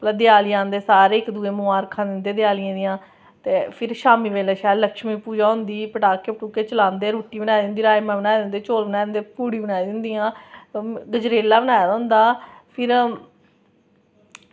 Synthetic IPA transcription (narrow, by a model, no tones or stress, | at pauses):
plãːd̪ɪaːlɪjãːnd̪eːsaːɾeːɪkd̪uːeːmʊaːɾkʰãːd̪ɪnd̪eːd̪ɪjaːlɪjãːd̪ɪjãː | t̪eːpʰɪɾʃaːmiːʋeːleːʃaːləkʃmiːpuːd͡ʒaːɦʊ̃nd̪iːpəʈaːkːeːpʈuːkeːt͡ʃəlãːnd̪eːɾuːʈiːbənaːid̪ɪnd̪iːɾaːemɛ̃ːbənaːid̪ɪnd̪eːt͡ʃoːlbənaːd̪nd̪eːpuːɽiːbənaːid̪ɪnd̪ijãː | ɡəd͡ʒɾeːlaːbənaːjaːd̪aɦnd̪aːpʰɪɾ